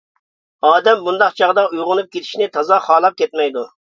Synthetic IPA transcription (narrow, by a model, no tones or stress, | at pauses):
ɑːd̪ɛmbund̪ɑqt͡ʃʰɑʁd̪ɑujʁʊnup̚kʲet̪ʰɪ̥ʃnɪt̪ʰɑzɑχɑːlˠɑp̚kʲʰɛt̪mɛjd̪u